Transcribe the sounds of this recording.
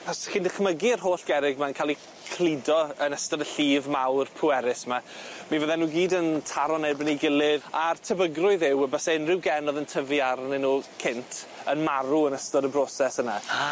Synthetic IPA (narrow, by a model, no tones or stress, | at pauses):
ɔsxɪndəχməɡiərɦoːɬɡ̥ɛɾɪɡmankʰalˠi | kʰlˠidɔənəstɔdəɬiːvmawrpʰuɛɾɪsmamivəðɛnuːɡiːdəntʰaɾɔnɛbəniɡɪlˠɪðartʰəbəɡrʊɨðɪwəbasaɪnrɪwɡɛnɔðəntʰəvjarnɪnuːkʰɪntʰənmaɾuənəstɔɾəbrɔsɛsəna